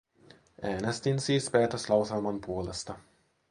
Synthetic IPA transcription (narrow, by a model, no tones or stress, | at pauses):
ʔæːnest̪insiːspeːt̪əslɑwselmɑnpuolest̪ɑ